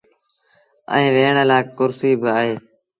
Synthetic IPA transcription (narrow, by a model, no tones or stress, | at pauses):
ə̰̃ĩːʋeːɳəlaːkkʊɾsiːbaːɦeː